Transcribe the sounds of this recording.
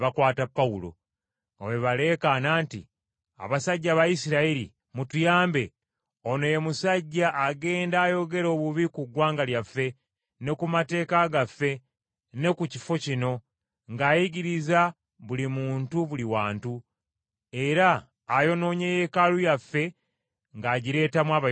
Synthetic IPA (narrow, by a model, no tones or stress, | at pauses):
βakwaːtapːaulo̞̰ | o̰we̞βale̞ːkanaːntḭ | a̰βasaɟːaβajisiɾaiɾḭ | mutujaːmbe̞ | ono̞je̞musaɟːaʔːɡe̞ːndaːjo̞ɡe̞ɾo̞ːβuβikuɡwaːŋɡaljafːe̞ | ne̞kumate̞ːkaɡafːe̞ | ne̞kuci̥fo̞cino̞ | ŋɡaːjiɡiɾiza | βulimuːntuβuliwaːntu | e̞ɾaː | jo̞no̞ːɲe̞je̞kalujafːe̞ | ŋɡaːɟiɾe̞ːtamwaːβa